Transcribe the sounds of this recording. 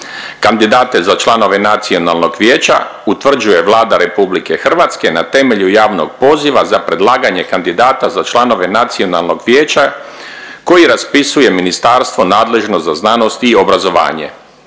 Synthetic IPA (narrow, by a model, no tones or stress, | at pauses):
kand̪id̪aːt̪ezat͡ʃlˠano̞ʋe̞nat̪sio̞nalˠno̞ɡʋjeːt͡ɕa̰ut̪ʋr̩d͡ʑuje̞ʋlˠaːd̪aɾe̞publike̞xr̩ʋat̪ske̞nat̪e̞me̞ʎujaːʋno̞ɡpo̞ːziʋazapɾe̞d̪lˠaːɡaɲe̞kand̪id̪aːt̪azat͡ʃlano̞ʋe̞nat̪sio̞nalˠno̞ɡʋjeːt͡ɕa | ko̞jiɾaspisuje̞minist̪aːɾst̪ʋo̞naːd̪le̞ʒnozaznano̞st̪iːobɾazo̞ʋa̰ːɲe̞̰